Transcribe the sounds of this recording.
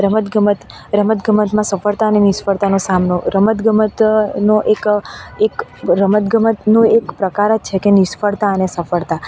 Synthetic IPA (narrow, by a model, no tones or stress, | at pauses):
ɾəmət̪ɡəmət̪ | ɾəmət̪ɡəmət̪mãsəfəɭt̪aənenɪsfəɽt̪anosamnoɾəmət̪ɡəmət̪noʔekekɾəmət̪̚ɡəmət̪noekpɾəkaɾət͡ʃʰekenɪsfəɽt̪aənesəfəɭt̪a